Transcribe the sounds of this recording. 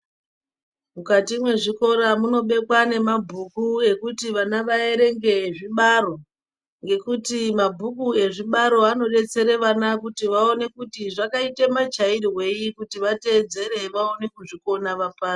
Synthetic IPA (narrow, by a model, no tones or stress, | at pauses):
mukatimwe̞ʐiko̞ɾamuno̞ɓe̞kwane̞mabʱukue̞kutiʋanaʋae̞ɾe̞ŋɡe̞ʐiɓaɾo̞ | ŋɡe̞kutimabʱukue̞ʐiɓaɾo̞ano̞ɗe̞t͡se̞ɾeʋanakutiʋao̞ne̞kutiʐakaitemat͡ʃairwe̞ikutiʋate̞ːd͡ze̞ɾe̞ʋao̞ne̞kuʐiko̞naʋapaːro